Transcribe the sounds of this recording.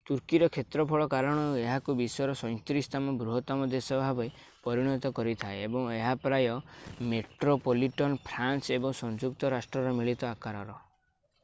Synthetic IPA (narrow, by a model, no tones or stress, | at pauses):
t̪uɾkiɾɔkʰet̪ɾɔpʰɔɭɔkaɾɔɽ̃ɔɾueɦakubisɔjɔɾɔsɔj̃t̪ɾist̪ʰamɔbɾuɦɔt̪ɔmɔd̪esɔbʱabɔj | pɔɾiɽ̃ɔt̪ɔkɔɾit̪ʰaeebɔŋeɦapɾajɔmeʈɾopoliʈɔnpʰɾansebɔŋsɔnd͡ʒukt̪ɔɾasʈɾɔɾɔmiɭit̪ɔakaɾɔɾɔ